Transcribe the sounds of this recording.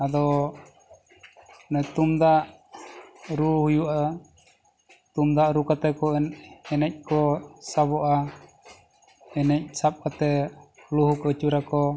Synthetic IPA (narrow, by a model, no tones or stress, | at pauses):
ad̪ɔ | nɛt̪umd̪aʔ | ɾuhujuʔa | t̪umd̪aʔɾukat̪ɛkɔɛnɛnɛc̚ˀkɔsabɔʔa | ɛnɛc̚ˀsap̚kat̪ɛ | luhukət͡ʃuɾakɔ